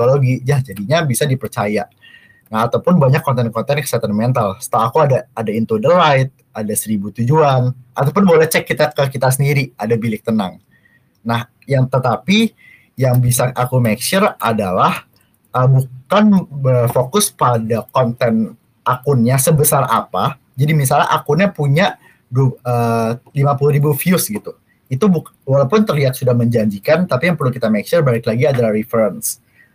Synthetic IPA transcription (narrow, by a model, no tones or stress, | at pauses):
oloɡid͡ʒahd͡ʒadiɲabisadipərt͡ʃaja | naat̪awpʊnbaɲakːɔnt̪ɛnkɔnt̪ɛnkə̥sat̪anmɛnt̪alsə̥t̪əlaakuadaːdaint̪udəlajɪt̪̚adasəɾibut̪ud͡ʒuanʔat̪awp̬ʊnbolɛht͡ʃɛkːit̪akəkit̪as̬əndiɾiadabilɪk̚t̪ənaŋ | nah | jaŋt̪ət̪api | jaŋbisaakumɛkʃəradalah | ʔəbukanbərfokʊspadakɔnt̪ɛn | ʔakʊnɲasəbəsara̰pa | d͡ʒadimis̬alɲa̰ʔakʊnɲapuɲaʔ | dəlimapuluɾibufiʊsɡit̪u | it̪ubuwalawpʊnt̪ərliat̪̚sudahməɲd͡ʒaɲd͡ʒikant̪apijaŋpərlukit̪amɛk̚t͡ʃʊrbaɪklaɡiadalahrifəɾəns